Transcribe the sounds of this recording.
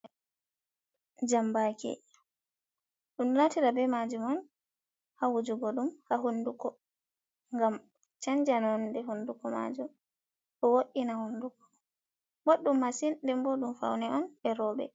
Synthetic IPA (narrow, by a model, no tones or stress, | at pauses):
d͡ʒambakʰɛ̰ | ɗunɗunatiɾabɛmad͡ʒumɔn | hawud͡ʒuɡɔɗumhaɦundukɔ | ŋɡam | t͡ʃaɲd͡ʒanɔndɛɦundukɔma̰d͡ʒum | ʔɔwoʔinahundukɔ̥ | boɗːumːasindɛmbɔɗumfa̰wnɛɔnɛɾɔbɛ̰